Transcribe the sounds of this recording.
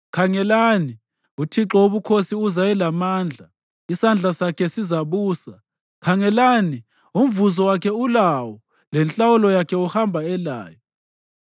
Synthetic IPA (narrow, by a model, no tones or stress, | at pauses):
kʰaŋɛlani | utʰiǁɔuβukʰosiuzajɛlamaːnd͡ɮʱa | isand͡ɮʱasakʰɛsizaβuːsa | kʰaŋɛlani | um̩vuzɔwakʰɛulawɔ | lɛnt͡ɬʼawulɔjakʰɛuhambʱaɛla̰ːjɔ